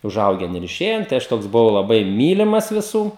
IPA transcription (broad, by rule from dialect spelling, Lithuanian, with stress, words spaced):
ʊˈʒɐʊɡʲɛn ɪr ɪˈʃʲeːjɛn tɐɪ ˈɐʃ ˈtoːks bʊˈʋɐʊ lˠɐˈbɐɪ ˈmʲiːlʲɪmɐs ʋʲɪˈsuː